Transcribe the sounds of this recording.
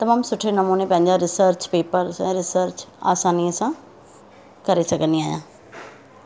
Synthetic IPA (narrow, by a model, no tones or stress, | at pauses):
t̪ɐmaːmsʊʈʰenɐmuːnepɐ̃ɦɪ̃ɲd͡ʑaɾɪsəɾt͡ɕpeːpəɾsɛ̃ːɾɪsəɾt͡ɕa̰ːsaːniəsã | kɐɾesɐɡʱə̃nd̪iaːɦjã̰ː